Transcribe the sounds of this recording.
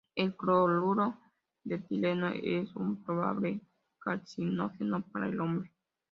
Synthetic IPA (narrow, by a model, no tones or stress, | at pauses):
elkɾoluɾo | d̪et̪ileno̰esunpɾoba̰ble | kat͡sinoθenopaɾa̰jlombɾe